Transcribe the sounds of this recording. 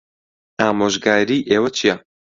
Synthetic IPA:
aːmoːʒɡaːɾiːʔeːwɐt͡ʃʰijɐ

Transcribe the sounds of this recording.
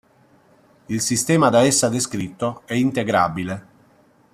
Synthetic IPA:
ilsist̪ɛːmad̪aɛsːad̪eskɾit̪ːoɛint̪eɡɾabile

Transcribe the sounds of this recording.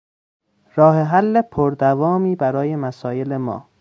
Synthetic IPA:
ɾɒːheɦælːepʰoɾd̪ævɒːmiːbæɾɒːje̞mæsɒːje̞lemɒ̰ː

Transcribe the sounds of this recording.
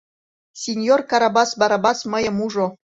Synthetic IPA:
sʲenʲjorkɑɾɑbɑsbɑɾɑbɑsmɤ̆jɤ̆muʐŏ

